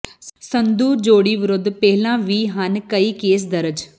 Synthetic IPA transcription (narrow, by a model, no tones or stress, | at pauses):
sənd̪uːd͡ʒoːɽiːʋɪɾʊd̪pɛɦlãːʋiːɦənkəiːkeːs̬d̪əɾəd͡ʒ